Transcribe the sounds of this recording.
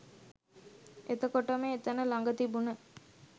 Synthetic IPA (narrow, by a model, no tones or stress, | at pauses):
ʔet̪əkoʈəmeːt̪ɐnəlaŋɡət̪ibunə